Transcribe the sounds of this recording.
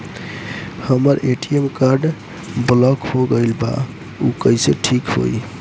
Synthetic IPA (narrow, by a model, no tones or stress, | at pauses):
həməɾʔeʈiemkaɾɖ | blɔkhoɡəɪlba̰ | ukəiseʈʰikɦo̰j